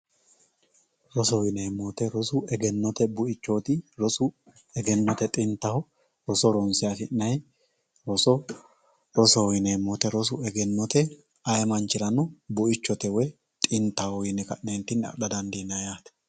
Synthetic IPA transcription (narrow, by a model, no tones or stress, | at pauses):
ɾɔsɔwɪneːmːɔt̪ɛɾɔsʊɛɡɛnːɔt̪ɛbʊʔɪt͡ʃːoːt̪ɪɾɔsʊ | ɛɡɛnːɔt̪ɛt̪ʼɪnt̪ːɐhɔ | ɾɔsɔɾɔnsɪjafɪnːɐj | ɾɔsɔ | ɾɔsɔɪnemːɔt̪ɛɾɔsʊɛɡɛnːɔt̪ɛ | ɐjmɐnt͡ʃɪɾɐnɔbʊʔɪt͡ʃːɔt̪ɛwɛj | t̪ʼɪnt̪ːɐhɔjɪnɛkɐʔneːnt̪ɪnːɐ̰ɗɐd̪ɐnd̪inːɐjaːt̪ɛ̥